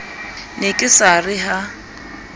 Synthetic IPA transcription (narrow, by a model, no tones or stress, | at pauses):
nekʼɪsarɪɦa